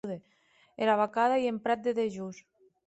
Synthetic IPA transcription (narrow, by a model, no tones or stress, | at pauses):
ðe | eɾaβakaðaiempɾat̪̚d̪eðeʒus